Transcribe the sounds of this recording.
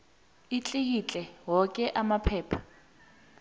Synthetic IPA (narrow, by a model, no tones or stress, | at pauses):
it͡ɬʼehit͡ɬʼɛɦɔkʼɛʔamapʰɛːpʰḁ